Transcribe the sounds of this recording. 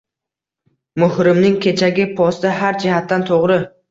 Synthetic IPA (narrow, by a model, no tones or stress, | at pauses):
mʊhɾɪmnɪŋkʲʰe̞t͡ʃʰaɡʲɪpʰɒst̪ɪɦaɾd͡ʒɪhat̪ːant̪ʰoʁɾɪ